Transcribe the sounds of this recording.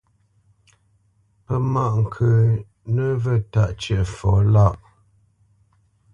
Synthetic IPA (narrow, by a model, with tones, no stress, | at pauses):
pə˦ma˦˨ʔŋ̩˨kʰə˨ | nə˦və˦˨ta˦˨ʔt͡ʃɥɛ˦˨ʔə˨fɔ˨˦la˦˨ʔ